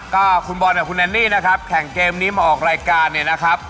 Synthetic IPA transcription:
kɔː˥˩kʰu˧nbɔː˧niː˥˩kʰu˧nʔɛː˧nːiː˥˩na˦˥kʰa˦˥p̚kʰɛ˩˦ŋkeː˧mniː˦˥maː˧ʔɔː˨˩k̚ɾaː˧jkaː˧nːi˥˩na˦˥kʰa˦˥p̚

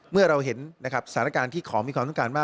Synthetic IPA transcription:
mɯ˥˩ɐɾa˧wɦe˩˦nːa˦kʰɾa˦˥p̚sat̪ʰaː˩˦n˦a˥kaː˧nt̪ʰiː˥˩kʰɔː˩˦mi˧kʰwa˧mt̪ɔ˥˩ŋkaː˧nmaː˥˩

